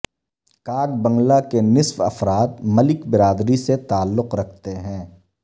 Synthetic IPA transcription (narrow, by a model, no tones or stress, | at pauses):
kaːɡbɐ̃ŋɡlakenɪswɐ̰fɾaːt̪̚mɐlɪkbɪɾaːd̪ɾiset̪aːlːʊqɾɐkʰt̪eɦɛ̃ː